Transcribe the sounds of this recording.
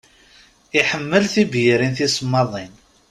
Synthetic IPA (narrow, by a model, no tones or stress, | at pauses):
iħəmːəlθibjəɾinθisəmːɑðˤin